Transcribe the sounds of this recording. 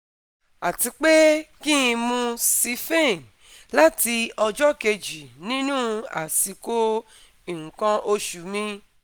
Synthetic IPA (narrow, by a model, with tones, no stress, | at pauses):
a˨ti˧k͡pe˦kĩ˦ĩ˧mũ˧si˧fẽ˦˨n | la˦ti˧ɔ˧d͡ʒɔ˦ke˧d͡ʒi˨nĩ˦nũ˦a̰˨si˨˧˦ko˦ | ĩ˨ŋ̩̃˨kã˧ʔo˧ʃu˨˦mĩ˧